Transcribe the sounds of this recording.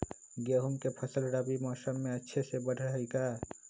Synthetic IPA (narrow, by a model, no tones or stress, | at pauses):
ɡeːɦumkepʰəsəlɾaːbimɔːsəmːẽɐtːʃʰesebəɖʱɦikaː